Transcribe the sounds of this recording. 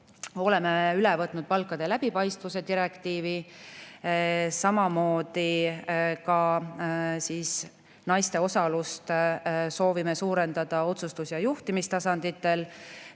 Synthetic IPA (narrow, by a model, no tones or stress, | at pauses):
o̞le̞meeylɛvɤt̪ːˑnud̪̥̚pɑlkːˑɑd̪̥e̞læb̥ipɑjst̪vuse̞d̪iɾe̞kt̪iːvi | sɑmɑmo̞ːd̪̥i | kɑ | siːs | nɑjst̪e̞o̞sɑlust̪so̞ːvime̞suːɾe̞nd̪̥ɑd̪̥ɑo̞t̪sust̪usjɑjuht̪imist̪ɑsɑnd̪̥it̪ːˑe̞l